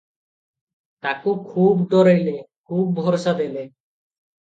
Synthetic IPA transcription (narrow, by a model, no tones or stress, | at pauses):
t̪akukʰubd̪ɔɾejlekʰub̚bʱɔɾsad̪ejle